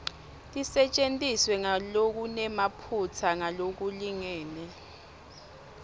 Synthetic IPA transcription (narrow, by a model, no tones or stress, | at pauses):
tʼisɛt͡ʃʼentʼiswɛŋalok̬unɛmapʰut͡sʰaŋalok̬uliŋɛːnɛ